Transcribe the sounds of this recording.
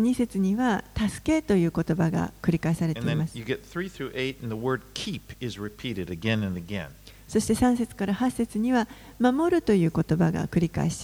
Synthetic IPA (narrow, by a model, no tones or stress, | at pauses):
ɲ̟ise̞t͡sɨɲ̟iβat̪asɨ̥ke̞t̪o̞jɯ̟ːko̞t̪o̞baɡa̰kɾʲikaisaɾe̞t̪e̞imasɨjɨɡɛt̪̚θɹiθɹʉʔeɪɾ̃n̩ðəwɜ˞d̚kʰipɪzɹipʰiɾɨɾɨɡɛ̃nɨ̃nɨɡɛ̰̃n | so̞ɕi̥t̪e̞sãɰ̃se̞t͡sɨ̥kaɾahasːe̞t͡sɨɲ̟iβa | mamo̞ɾɯ̟t̪o̞jɯ̟ːko̞t̪o̞baɡa̰kɯ̟ɾʲika̰eɕi̥t̪